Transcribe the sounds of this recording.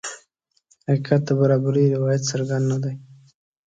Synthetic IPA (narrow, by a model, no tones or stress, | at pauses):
hakkat̪̚d̪abaɾɑbaɾiɾɪwɑjat̪saɾɡand̪nad̪aj